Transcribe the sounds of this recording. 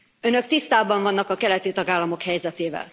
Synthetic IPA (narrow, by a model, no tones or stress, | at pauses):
ønø̞kt̪ist̪aːbɒɱvɒnːɒkɒkɛlɛt̪it̪ɒɡaːlːɒmo̞khɛjzɛt̪eːvɛ̰l